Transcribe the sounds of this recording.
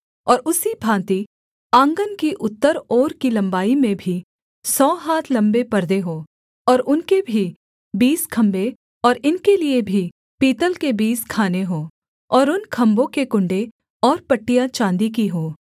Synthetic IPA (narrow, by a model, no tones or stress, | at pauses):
ɔːɾʊsibʱãːt̪i | ãːŋɡənkiʔʊt̪ːəɾɔːɾkilɐ̃mbaːimẽbʱi | sɔːɦaːt̪ʰlɐ̃mbepɐɾd̪eɦoː | ɔːɾʊnkebʱi | biːskʰɐ̃mbe | ɔːɾɪnkeliebʱi | piːt̪əlkebiːskʰaːneɦoː | ɔːɾʊnkʰɐ̃mbõkekʊ̃ɳɖe | ɔːɾpɐʈːijat͡ʃãːnd̪ik̬iɦoː